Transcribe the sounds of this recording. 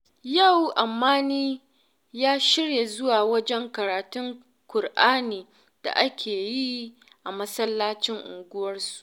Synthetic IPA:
ja˦˨wʔa˨mːaː˦niː˦ | jaː˦ʃɪ˦ɽja˨zʊ˦waː˨wɐ˦d͡ʒɛ˦ŋkɐ˨ɾaː˨tʊ˦ŋ | kʷʊ˨rʔaː˦niː˨ | d̥a̰˨ʔa˦kʲʰeː˨ji˦ | ʔa˨mɐ˦sɐ˦lːaː˦t͡ʃɪ˦ŋʔʊ̰˨ŋɡʷʊ˦wɐ˦rsu̥˨ʔ

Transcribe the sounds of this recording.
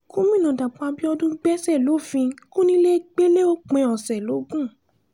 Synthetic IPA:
kũ˦mĩ˦˨nã˨da˨k͡pa˧bi˦ɔ˧dũ˦ɡ͡bɛ˦sɛ˦˨lo˨˦fĩ˧kũ˦nĩ˧˦le˦ɡ͡be˦le˦o˦k͡pɛ̃˨˧ɔ˨sɛ˨lo˨˦ɡũ˦˨

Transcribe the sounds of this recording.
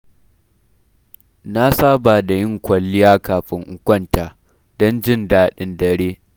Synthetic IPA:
na˦saː˦ba˨da˨jɪ˦˨ŋkʷɐ˨lːɪ˦jaː˦kaː˨ɸɪ˦ŋʔʊ˦kʷɐ˦˨ntaː˨ | dɔ˦nd͡ʒɪ˦ndaː˦ɗɪ˦ndɐ˨ɾeː˦

